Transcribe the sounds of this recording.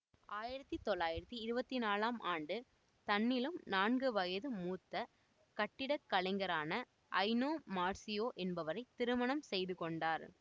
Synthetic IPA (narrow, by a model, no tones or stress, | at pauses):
ʔaːjɪɾɐt̪ːit̪ːɔɭːaːjɪɾɐt̪ːiɪɾɯbɐt̪ːinaːlaːmʔaːɳɖɯ | t̪ɐnːɪlɯmnaːnɡɯʋɐjɐðɯmuːt̪ːɐ | kɐʈːɪɽɐkːɐɭɐɪŋɡɐɾaːnɐ | ʔɐɪnoːmaːɾsɪjoːʔɛnbɐʋɐɾɐɪt̪ɪɾɯmɐnɐmsɛjðɯkɔɳɖaːɾ